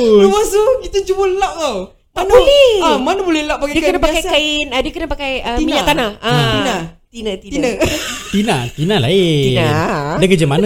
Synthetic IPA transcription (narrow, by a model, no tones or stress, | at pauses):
luwasukit̪ad͡ʒubəlaʔt̪aw | manablɛamanəbolɛhlaʔpːakadiəknapakajkaɪnədiəkənapakajəmiɲat̪anahainat̪inət̪iət̪inat̪inalaeinandəkəd͡ʒamana